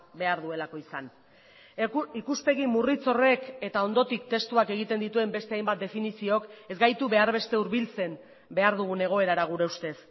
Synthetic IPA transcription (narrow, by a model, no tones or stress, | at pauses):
be̞aɾðue̞lako̞isan | ikuspe̞ɣimurit͡so̞re̞ke̞t̪ao̞nd̪o̞t̪ikt̪e̞st̪uake̞ɣ̞it̪e̞nd̪it̪ue̞mbe̞st̪e̞ajmbat̪̚d̪e̞finisio̞ke̞zɡajt̪uβe̞aɾβe̞st̪e̞uɾβilt͡se̞m | be̞aɾðuɣ̞une̞ɣ̞o̞e̞ɾaɾaɣ̞uɾe̞ust̪e̞s